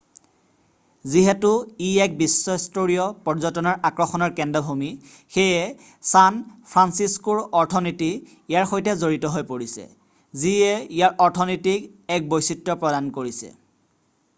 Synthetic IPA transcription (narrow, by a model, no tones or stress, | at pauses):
ziɦɛtuiɛk̚bisːɔistoɹijɔpɔɹzɔtɔnɔɹʔakɹɔxɔnɔɹkɛndabʱumi | xejɛ | sanpʰɹansiskuɹɔɹtʰɔniti | ijaɹxojtɛzoɹitɔɦojpoɹisɛ̰ | ziɛijaɹʔɔɹtʰɔnɔtikɛk̚bojsitɹɔpɹɔdankoɹisɛ̰